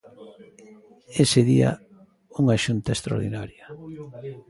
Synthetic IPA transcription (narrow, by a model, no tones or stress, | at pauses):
eseðiɐ̰ | uŋaʃunt̪aest̪ɾo̰ɾðinaɾjɐ